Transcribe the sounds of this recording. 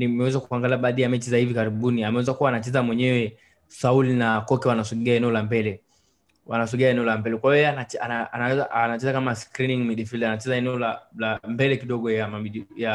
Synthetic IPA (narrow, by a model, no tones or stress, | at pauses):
nimɛwɛzakuaŋɡaliaɓaːðijamɛt͡ʃizahivikaɾiɓuniamɛwɛzakuwaːnat͡ʃɛzamwɛɲɛwɛ | saulinakɔkɛwanasɔɡiaɛnɛɔlambɛlɛ | wanas̬ɔɡiaɛnɛɔlambɛlɛkwajɔjɛanaanaanaɛzaʔanat͡ʃɛzakamaskɾiniŋmiɗifildanat͡ʃɛzaɛnɛɔlalambɛlɛkiɗɔɡɔjamaiɗija